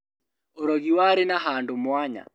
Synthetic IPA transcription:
oɾɔɣiwaɾenaɦaːndomwaɲa̰

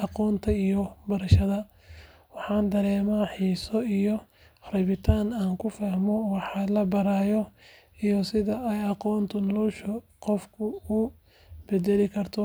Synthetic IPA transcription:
ɑqɔːnt̪ʰɐijɔbɐɾɐʃɐðɐ | wɑħɑːnd̪ɐɾɛːmaːħiːsɔijɔ | rɛβɪt̪ʰaːnaːŋkʰʊfahmɔwħɑlɐbɐɾaːjɔ | ijɔsɪðɐʔɛjɑqɔːnt̪ʰʊnɔluʃʊ | qɔfkʰʊʊ | b̥ɛd̪ɛlɪkʰɐrt̪ʰɔ

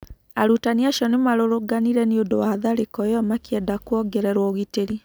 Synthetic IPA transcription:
aɾutaniaʃɔnemaɾoɾoɡaniɾɛniodowaaðaɾekɔjɔmakiɛdakwɔɡɛɾɛɾwɔɣiteɾi

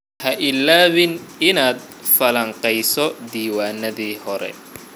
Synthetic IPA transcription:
hɐʔɪlaːβɪnɪnaːd̪̚ | fɐlɐɴqɛjsɔd̪iːwaːnɐðiːhɔɾɛ̰

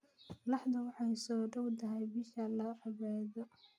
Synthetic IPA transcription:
lɑħd̪ɐwɑħɑjsɔːɖɐwt̪ʰɐɦɛjbɪʃɐlɐrɪβaðɔ

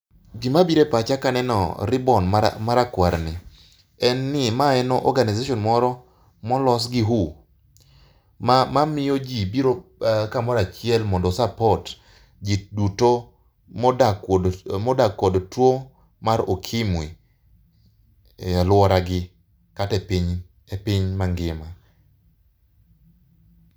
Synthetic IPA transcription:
ɡimabiɾepat͡ʃakanɛnɔ̰ɾɪbɔnmaɾakwaɾni | ɛnːɪmaɛnɔʔɔ̰rɡanizaʃɔnmɔɾɔ | mɔlɔs̬ɡɪɦu | mamamɪjod͡ʒibiɾokamɔɾat͡ʃɪɛlmɔndɔsapɔt | d͡ʒiduto | mɔdakːɔdtwo | maɾokʰɪmwi | alwɔɾaɡɪ | katɛpiɲ | epiɲmaŋɡɪma

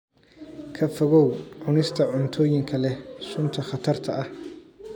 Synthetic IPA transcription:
kʰɐfɔɣɔwʕʊnɪst̪ʰɐʕʊnt̪ʰɔːjɪŋkʰɐlɛsʊnt̪ʰɐχɑt̪ʰɐrt̪ʰɐʔɐh

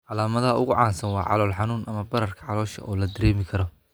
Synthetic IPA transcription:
ʕɑlaːmɐðɐɦɐʊɣʊʕɑːnsɐnwɑːʕɑ̰lɔːlħɑnuːnʔɐmɐbɐɾɐrkʰɐʕɑlɔːʃɐ̰ʔɔːlɐd̪ɐɾɛːmɪkʰɐɾɔ

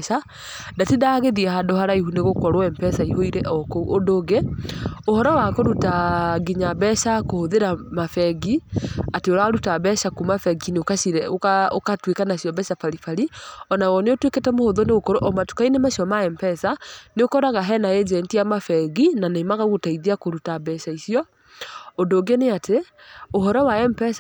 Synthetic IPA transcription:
ʃa | datidaɣeðiɛɦadoɦaɾaihuneɣokɔɾɔɛmpɛsaiɦoiɾɛʔɔkoodoɣeohɔɾɔwakoɾutaɡiɲabɛʃakohoðeɾamafɛɡiateoɾaɾutabɛʃakumafɛɡineokaʃiɾɛoao̰katwekanaɕjɔbɛʃafaɾifaɾiɔnawɔneotweketɛmohoðoneɣokoɾoʔɔmato̥kainemaɕiɔmaɛmpɛsaneokɔɾaɣaɦɛnaed͡ʒɛntiamafɛɣinanemaɣaɣotaiðiakoɾutabɛʃaisiɔ | ondoːɡeneatʰe | oɦɔɾɔwaɛmpɛs

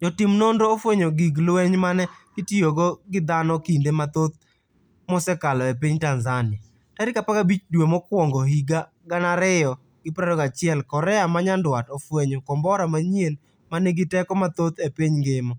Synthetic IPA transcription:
d͡ʒɔtɪmnondoːfweɲoɡiɡlwɛɲmanɛɡitioɡɔɡɪd̪anɔkindemat̪ot̪̚ | mɔsɛkalɔepiɲtanzanɪa | taɾɪkapakabit͡ʃdwemɔkwɔŋɡɔɦiɡa | ɡanaɾɪjɔ | ɡ̥ɪpɾaɾɔɡat͡ʃɪɛlkɔɾɛamaɲandwatofweɲokɔmbɔɾamaɲjen | maneɡɪtɛkɔmat̪ot̪epiɲɡɪmɔ

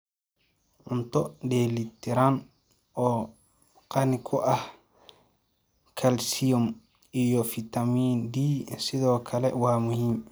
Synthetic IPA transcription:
ʔuntɔdelit̪ɛɾan | ʔɔ | qanikʰɔʔah | kʰalsijɔm | ijɔfit̪amindisid̪ɔkʰalɛ̰wamuhim

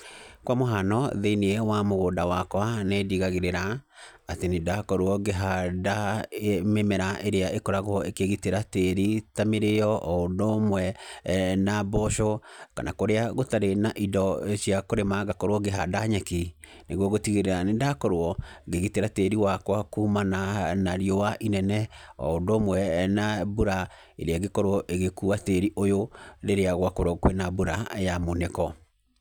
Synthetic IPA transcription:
kwamoɦanɔðeineewamoɣoːndawakwanediɣaɣeɾeɾaː | tenedakɔɾwɔɡeɦada | memɛɾaʔeɾeaʔekɔɾaɣoekeɣiteɾateɾitameɾeɔʔɔondomwɛ | nabɔʃɔka̰na̰koɾeaɣotaɾenaʔidɔʃiakoɾemaɣakɔɾwɔɡeɦadaɲɛki | neɣwɔɣotiɣeɾeɾanendakɔɾoɔɡeɣeteɾateɾiwakwakumananaɾiɔwaʔinɛnɛɔ̰odomwɛnabuɾa | eɾeaɣekɔɾwɔʔeɣekuateɾiʔojoɾeɾeaɣwakoɾɔkwenabuɾajamonekɔ

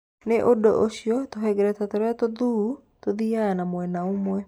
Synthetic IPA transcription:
neʔodoʔoɕiɔtoɦɛɡɛɾɛtatoɾɛatoðu | toðiaanamwɛnaomwɛ

